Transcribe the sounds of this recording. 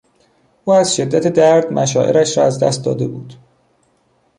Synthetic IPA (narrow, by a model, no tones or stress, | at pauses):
ʔuːæzʃe̞d̪ːæt̪ʰed̪æɾd̪mʔæʃɒːʔe̞̰ɾæʃɾɒːæzd̪æ̰st̪̚d̪ɒ̰ːd̪e̞buːd̪̥